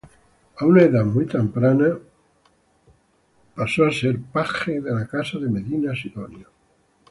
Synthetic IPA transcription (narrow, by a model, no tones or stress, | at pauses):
aunaeðamujt̪empɾana | pasoaseɾpaxeðelakasaðemeðinasiðonjo